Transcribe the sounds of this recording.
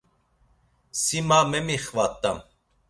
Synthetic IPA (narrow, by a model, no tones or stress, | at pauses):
simamɛmiχvat̪ʼːam